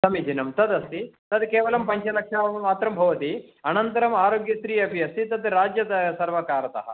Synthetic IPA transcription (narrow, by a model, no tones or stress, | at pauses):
sɐmid͡ʒinɐmt̪ɐd̪ɐst̪it̪ɐd̪keːʋɐlɐmpɐɲt͡ʃɐlɐkʂɐːmaːt̪ɾɐmbʱɐʋɐt̪iɐnɐnt̪ɐɾɐmaːɾoːɡjɐst̪ɾiːɐbʱijɐsit̪ɐt̪ɾaːd͡ʒjɐd̪ɐsɐɾʋɐkaːɾɐt̪ɐ̰ɦɐ̰